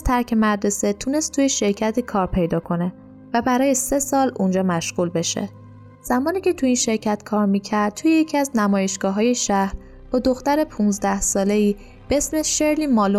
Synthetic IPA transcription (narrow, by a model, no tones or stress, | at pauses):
t̪ʰæɾcʰe̞mædd̪ɾese̞t̪ʰune̞st̪ʰujeʃe̞ɾcʰæt̪ʰiːkʰɒːɾpʰe̞jd̪ɒːkʰo̞ne̞ | væbæɾɒːje̞se̞sɒːlund͡ʒɒːmæʃɣuːlbe̞ʃḛ | z̥æmɒːniːcʰet̪ʰuinʃe̞ɾcʰæt̪kʰɒːɾmiːcʰæɾd̪̚t̪ʰujejecʰiæznæmɒːje̞ʃɡ̥ɒːɦɒːje̞ʃæhɾ | b̥ɒːd̪o̞xt̪æɾepʰunzd̪æhsɒːle̞iː | b̥eesmeʃe̞ɾliːmɒːlo